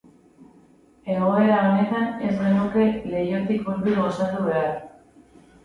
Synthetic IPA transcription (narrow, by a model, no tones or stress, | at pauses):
e̞ɣ̞o̞e̞ɾaɣenet̪ane̞zɣenuke̞le̞jot̪ikβulβiɾɣosat̪uβe̞aɾ